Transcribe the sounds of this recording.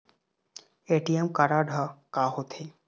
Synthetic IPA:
eʈiemkaɾaɖʱakaɦot̪ʰe

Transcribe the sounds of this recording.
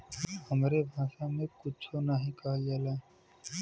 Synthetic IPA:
həmɾebʱãːʃamẽkʊt͡ʃʰonaɦĩkaɦd͡ʒaːla

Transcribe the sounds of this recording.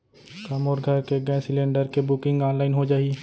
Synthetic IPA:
kaːmoːɾɡʱɐɾkeɡɛ̃sɪlẽːɳɖəɾkebʊkɪ̃ŋɡaːnlaːɪnɦod͡ʒaːi

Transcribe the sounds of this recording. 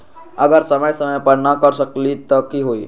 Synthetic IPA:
əɡəɾsəməjsəməjpəɾnakəɾsəklit̪ɔkiɦoḭ

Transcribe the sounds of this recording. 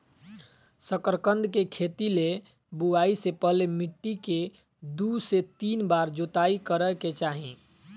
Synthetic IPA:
səkəɾkə̃nd̪ʱkekʰet̪ile | buaisepəɦlemiʈːike | d̪uset̪inbaɾd͡ʒot̪aikəɾəket͡ʃaɦĩ

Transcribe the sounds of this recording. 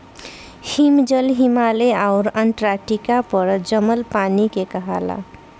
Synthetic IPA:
himd͡ʒʌlɦimaleawɾəɳʈɾaʈikapʌɾd͡ʒʌməlpanikekʌɦa̰la̰

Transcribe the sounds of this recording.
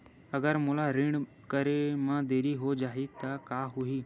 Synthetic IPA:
əɡəɾmʊlaɾiɳ | kəɾemãd̪eːɾiɦod͡ʒaːɦit̪əkaːɦuiː

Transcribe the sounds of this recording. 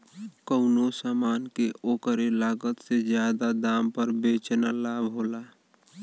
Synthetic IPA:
kəʊnosaːmaːnkeʔoːkəɾelaːɡət̪sezjaːd̪ad̪aːmpəɾbeːt͡ʃnalaːbʱɦoːla

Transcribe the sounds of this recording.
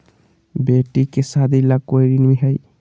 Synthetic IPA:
beʈikesad̪ilakojɾinmiɦəj

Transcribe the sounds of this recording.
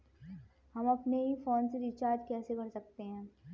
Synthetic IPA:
hɐmɐpneɦifɔːnseɾɪt͡ʃaːɾd͡ʒ̪kɛːsebʱɐɽsɐk̚t̪eɦɛ̃ː

